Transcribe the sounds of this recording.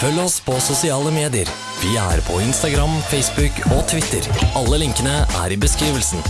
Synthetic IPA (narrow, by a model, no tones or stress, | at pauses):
fœlːɔspʰɔsʊsɪɑːləmeːd̪ɪəɾ | ʋɪæ̰ːɾpʰɔɪnst̪ɑɡɾɑmfɛɪsbʉkot̪ʰʋɪt̪əɾɑlːəlɪŋkənəʔæ̰ːɾɪbəskɾiːʋəlsn̩